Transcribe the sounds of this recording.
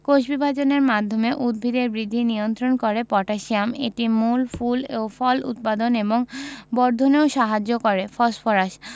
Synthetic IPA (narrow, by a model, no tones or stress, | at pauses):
koʃbibʱad͡ʑoneɾmad̪ʱːomeʔud̪̚bʱid̪eɾbɾid̪ʱːinijont̪ɾonkoɾepɔʈaʃiamḛʈimulfulofɔlṵt̪̚pad̪oneboŋbɔɾd̪ʱoneoʃaɦad͡ʑːokoɾefɔsfoɾaʃ